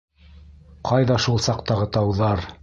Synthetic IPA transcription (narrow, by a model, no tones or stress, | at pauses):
qʰɑjðɑʃulˠsɑqt̪ɑʁɤt̪ɑwðɑɾ